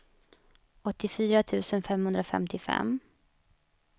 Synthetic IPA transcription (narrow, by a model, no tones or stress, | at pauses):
ɔt̪ːɪfyːɾat̪ʰʉ̟ːsənfɛmhɵnd̪ɾafɛ̰mt̪ʰɪfɛ̰m